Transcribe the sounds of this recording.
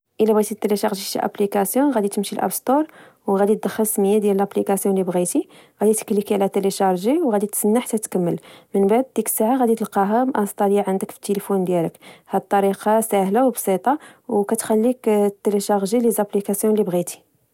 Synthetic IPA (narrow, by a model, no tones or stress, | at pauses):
ʔəlːæbæt̪it̪ːeleʃɑɣʒiʃḭʔæ̰plikæsjɔ̃ɣæd̪it̪əmʃilʔæ̰bst̪oɾˤ | wɣæd̪it̪̚d̪əxːəlsməjːad̪jæləlʔæplikæsjɔ̃lːibɣit̪i | ɣæd̪it̪ə̥klikiʕlæt̪eleʃɑɾˤʒiwɣæd̪it̪sənːaħat̪ːæt̪kəmːəlmənbaʕd̪̚d̪ikə̥sːaʕaɣæd̪it̪əlqɑɦæmʔɑst̪ˤɑljaʕənd̪əkfi̥t̪ːelifund̪jælə̰khæd̪ət̪ˤːɑɾiqɑsæhlawbsˤit̪ˤɑwkæt̪xælːikt̪ːeleʃɑʁʒilizæplikæsjɔ̃lːibɣit̪i̥